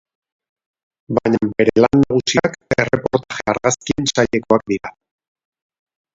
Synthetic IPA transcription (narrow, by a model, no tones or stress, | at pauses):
bajɲbe̞ɾe̞lanːaɣ̞usiake̞re̞po̞ɾt̪aʝe̞aɾɣaskie̞nsaʎe̞ko̞ak̚d̪iɾa